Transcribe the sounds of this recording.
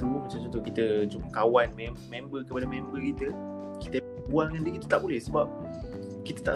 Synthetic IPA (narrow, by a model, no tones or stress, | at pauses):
səmumat͡ʃamt͡ʃunt̪ʊhkit̪əd͡ʒumkawanmemẽmbəkəpadamɛ̃mbəkit̪ə | kit̪ə | bualəŋãndikit̪ut̪aʔbolɛhsəbap̚ | kit̪ət̪a̰ʔ